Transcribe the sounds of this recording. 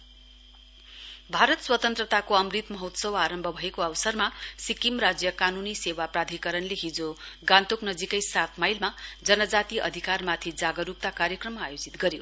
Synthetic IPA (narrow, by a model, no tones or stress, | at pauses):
bʱaɾʌt̪swʌt̪ʌnt̪rʌt̪akoʌmrit̪mʌɦot̪sʌwaɾʌmbʱʌbʱʌekoʌwsʌrmasikimrad͡zjʌkanunisewaprad̪ʱikʌɾʌnleɦid͡zoɡãnt̪oknʌd͡zikʌjsat̪ʰmajlmad͡zʌnʌd͡zat̪iʔʌ̰d̪ʱikarmat̪ʰid͡zaɡʌɾup̚t̪akaɾjʌkrʌmːaajod͡zit̪ɡʌɾjo